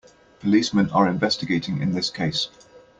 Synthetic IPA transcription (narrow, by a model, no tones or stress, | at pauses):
pʰəliˑsmɛ̃nəɹɪ̃ɱvɛstɪɡeɪtʰɪ̃ŋɪ̰̃nðɪskʰeɪs